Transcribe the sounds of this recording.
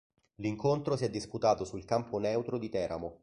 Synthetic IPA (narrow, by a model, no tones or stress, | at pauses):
liŋkont̪ɾosiɛd̪ːisput̪aːt̪osulkamponɛwt̪ɾod̪it̪ɛːɾʔa̰mo